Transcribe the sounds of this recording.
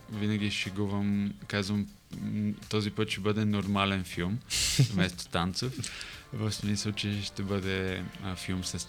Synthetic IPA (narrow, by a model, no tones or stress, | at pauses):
vinɐɡ̟ʲiʃɛɡuvɐmkazvəm | t̪ɔzipɤt̪ʃɛbɤd̪ɛnoɾmalɛnfilˠmmɛst̪o̥t̪ant̪sofvəfsmisəlˠt͡ʃɛʃt̪ɛbɤd̪ɛəfilˠmsɐs